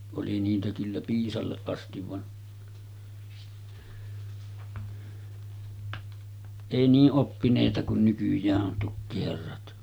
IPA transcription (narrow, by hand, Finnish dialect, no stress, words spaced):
oli niːtæ kylːæ piːsɑlːeʔ ʔɑstiʋ ʋɑn eˑi niːʔ ʔopːineˑitɑ kun nykyjˑæːʔ ʔon tukːiherːɑt